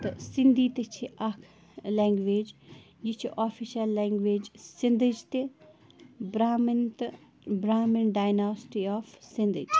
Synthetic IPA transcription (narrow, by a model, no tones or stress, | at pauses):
t̪ɨsind̪iːt̪et͡ʃʰiʔɐkʰ | leːŋɡʋeːd͡ʒ | jit͡ʃʰiʔaːfʰiʃɐlːeːŋɡʋeːd͡ʒsind̪ɨd͡ʒt̪e | bɾamnt̪ | bɾaːminɖaːjnaːsʈiaːfsind̪ɨ̰d͡ʒ